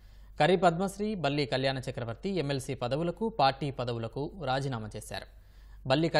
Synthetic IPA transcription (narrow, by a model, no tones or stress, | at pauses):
kɐɾipɐd̪mɐsɾiːbɐlːiːkɐljaːnɐt͡ʃɐkɾɐʋɐɾt̪iemːelsiːpɐd̪ɐʋulɐkupaːɾʈiːpɐd̪ɐʋulɐkuɾaːd͡ʒiːnaːmɐt͡ʃeːsa̰ːɾu | bɐlːiːkɐ